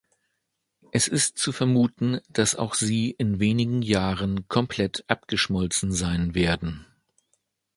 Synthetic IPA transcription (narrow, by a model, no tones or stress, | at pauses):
ʔɛsɪstt͡sufɛɐmuːtn̩d̥asa̰ʊxz̥iːʔɪnveːnɪɡŋ̩jaːʁənkʰɔmpʰl̥ɛtʔapɡ̥əʃmɔlt͡sn̩zaɪnveːɐdn̩